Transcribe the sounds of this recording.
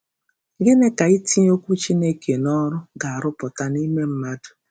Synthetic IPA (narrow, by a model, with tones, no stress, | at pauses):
ɡe˦ne˦ka˨i˦ti˦o˦kʷu˦t͡ʃi˦ne˦ke˨nɔ˦ɾʊ˦ɡa˨a˨ɾʊ˦pʊ˨ta˦ni˦me˦m̩˦ma˦dʊ̥˨